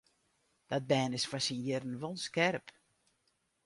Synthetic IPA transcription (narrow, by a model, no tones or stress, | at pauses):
d̥ɔt̚bɛːnɪsfasinjɪrən̩ʋolnskɛrp